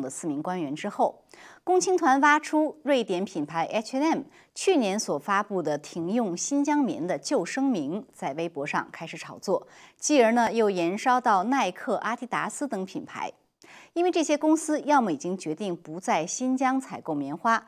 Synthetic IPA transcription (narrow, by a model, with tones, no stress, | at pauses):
ŋd̪ə˩sɹ̩˥˩mi˧˥ŋkwa˥nɥɛ˧˥nʈ͡ʂɻ̩˥xo˥˩ʊ | kʊ˥ŋt͡ɕʰi˥ŋt̪ʰwa˧˥nfa˥ʈ͡ʂʰu˥ɻwe˥˩ɪt̪jɛ˧˥npʰi˨˩npʰa˧˥ɪʔɛ˥t͡ɕʰɛ˥˩m | t͡ɕʰy˥˩njɛ˧˥nswɔ˨˩fa˥pu˥˩d̪ə˩t̪ʰi˧˥ŋjʊ˥˩ŋɕi˥nt͡ɕjɑ˥ŋmḭ˧˥ŋd̪ə˧t͡ɕjo˥˩ʊʂɤ˥ŋmi˧˥nt͡sa˥˩ɪʋe˥ɪpwɔ˧˥ʂɑ̰˥˧ŋkʰa˥ɪʂɻ̩˧˥ʈ͡ʂʰɑ˨˩ʊt͡swɔ˥˩t͡ɕi˥˩ə˞˧˥nə˧jo˥˩ʊjɛ˧˥nʂɑ˥ʊt̪ɑ˥˩˧ʊna˥˧ɪkʰɤ˥˩ʔa˥t̪i˧˥t̪a̰˧˥sɹ̩˥t̪ɤ˧˥ŋpʰi˨˩npʰa̰˧˥ɪ | i˥nwe˥˧ɪʈ͡ʂɤ˥˩ɕjɛ˥kʊ˥ŋsɹ̩˥jɑ˥˧ʊmu˥˩i˨˩t͡ɕi˥ŋt͡ɕɥɛ˧˥t̪i˥˩ŋpu˧˥t͡sa˥˩ɪɕi˥nt͡ɕjɑ˥ŋt͡sʰa˨˩ɪko˥˩ʊmjɛ˧˥nxwa˥